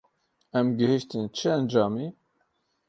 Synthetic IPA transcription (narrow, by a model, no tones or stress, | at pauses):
æməɡhiʃt̪nət͡ʃːænd͡ʒɑmi